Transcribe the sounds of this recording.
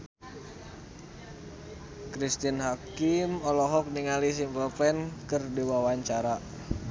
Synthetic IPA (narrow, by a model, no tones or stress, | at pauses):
kɾist̪inɦakimɔlɔɦɔk̚niŋalis̬impəlpɛnkɨrdiwawaɲt͡ʃaɾa